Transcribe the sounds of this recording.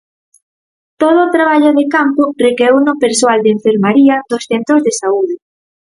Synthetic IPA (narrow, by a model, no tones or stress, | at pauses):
t̪oð̞oːt̪ɾaβ̞aʎʊðekampʊrekewnopeɾsoald̪eɱfeɾmaɾiɐðʊsθɛnt̪ɾʊzðesauðɪ